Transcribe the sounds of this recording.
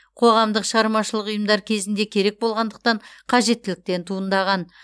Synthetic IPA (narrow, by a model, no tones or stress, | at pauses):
qʰo̞ʁɑmd̪əqʃəʁɑɾmɑʃəlˠəqʊjəmd̪ɑɾkʲʰe̞zɪnd̪e̞kʲʰe̞ɾe̞k̚bo̞lˠʁɑnd̪əq̚t̪ɑɴqʰɑʒe̞t̪ːɪlɪk̚t̪e̞nt̪ʰuənd̪ɑʁɑn